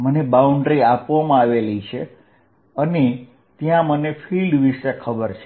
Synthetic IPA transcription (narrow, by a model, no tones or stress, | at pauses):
mənebauɳɖɾiapʋamãaʋelit͡ʃʰe | əne | t̪jãmənefʰilɖʋiʃekʰəbəɾt͡ʃʰe